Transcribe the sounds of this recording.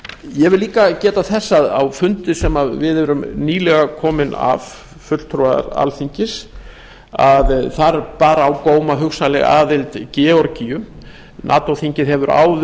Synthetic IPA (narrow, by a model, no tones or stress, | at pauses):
jɛvɪlliːkacɛːt̪aθɛsːaðawfʏnt̪ɪsɛmaðvɪðɛɾʏmniːlɛɣakʰɔːmɪna̰v | fʏt̪l̥t̪ʰɾɔa̰ɾa̰lθiɲcɪs | aðθaɾpaːɾaːwkoːwmaɦʏxsalɛɣa̰ːðɪlt̪cɛːɔɾcijʏ | nʔa̰ːt̪owθiɲcɪðɦɛvʏɾa̰ːw